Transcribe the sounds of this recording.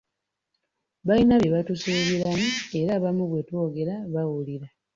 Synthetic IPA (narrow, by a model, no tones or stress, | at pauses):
βainaβje̞βatusuːβiɾamue̞ɾaβamuβwe̞two̞ːɡe̞ɾaβawuliɾa